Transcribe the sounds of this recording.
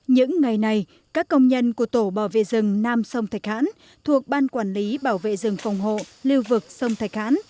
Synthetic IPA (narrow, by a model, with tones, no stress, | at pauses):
ɲɨ̰˧˥ŋːa˨˩jna˨˩j | kaː˦˥kːə˧wŋ͡mɲə˧nku˧˩ət̪o˧˩ɓaː˧˩wvḛ˧˨zɨ˨˩ŋnaː˧msə˧wŋ͡mt̪ʰa˨˩k̚ha̰ː˧˥n | t̪ʰu˨˩ək̚ɓaː˧nkwaː˧˩nli˨˦ɓaː˧˩wvḛ˧˨zɨ˨˩ŋfa˨˩wŋ͡mɦo̰˧˨li˧əwvɨ˨˩k̚sə˧wŋ͡mt̪ʰa˨˩jk̚ha̰ː˧˥n